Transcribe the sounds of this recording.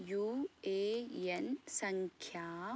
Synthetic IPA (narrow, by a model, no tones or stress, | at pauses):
juːeːensɐŋkʰjaː